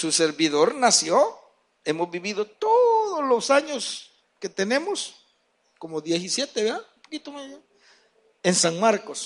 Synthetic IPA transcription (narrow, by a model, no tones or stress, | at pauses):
suseɾβiðo̞ɾnasjo | e̞mozbiβiðot̪oðozlosaɲos | ket̪ene̞mos | komoðjesisjet̪eβeɾðaupokit̪oma | ensaŋmaɾko̞s